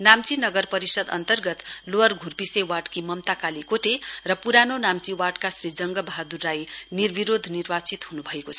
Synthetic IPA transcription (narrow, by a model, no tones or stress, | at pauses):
namt͡sinʌɡʌrpʌɾisʌd̪ʌ̰nt̪ʌrɡʌt̪loʌrɡʱurpisewaʈkimʌmt̪akalikoʈerʌpuɾanonamt͡siwaʈkasɾid͡zʌŋɡʌbaɦad̪urːajnirbiɾod̪ʱnirbat͡sit̪ɦunubʱʌekot͡sʰ